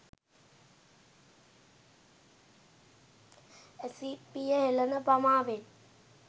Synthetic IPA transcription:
esipijəɦelənəbɐmaːʋet̪

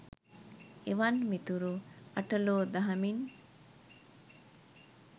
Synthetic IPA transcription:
eʋɐnmit̪uɾuɐʈəloːd̪ɐɦɐmin

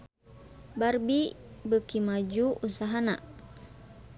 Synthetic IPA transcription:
barbibəkimad͡ʒuʔusaɦana̰

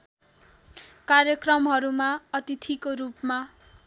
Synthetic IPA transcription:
karjʌkrʌmɦʌɾumaʌt̪it̪ʰikorupma

